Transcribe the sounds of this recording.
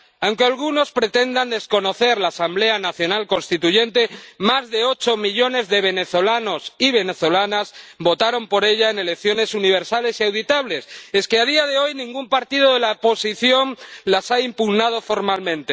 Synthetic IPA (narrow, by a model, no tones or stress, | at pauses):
awŋkealɣ̞uno̞spɾe̞t̪e̞nd̪and̪e̞sko̞no̞θe̞ɾlaːsamble̞anaθjo̞nalko̞nst̪it̪uʝe̞nt̪e̞mazðe̞o̞t͡ʃo̞miʎo̞ne̞zðe̞β̞e̞ne̞θo̞lano̞siβ̞e̞ne̞θo̞lanazbo̞t̪aɾo̞mpo̞ɾe̞ʎaene̞lekθjo̞ne̞suniβ̞e̞ɾsale̞siawðit̪aβle̞se̞skeaðiað̞e̞o̞jnĩŋɡumpaɾt̪ið̞o̞ðe̞lapo̞siθjo̞nlasaimpuɣnað̞o̞fo̞ɾmalmẽ̞nt̪e